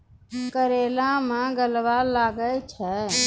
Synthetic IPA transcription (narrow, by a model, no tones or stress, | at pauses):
kəɾelamẽɡəlbalːaɡəlt͡ʃʰɛ